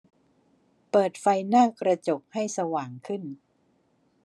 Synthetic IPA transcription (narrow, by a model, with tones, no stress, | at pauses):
pɤː˨˩t̪̚fa˧jnaː˥˩kɾa˧t͡ɕo˨˩k̚ha˥˩jsa˧waː˨˩ŋkʰɯ˥˩n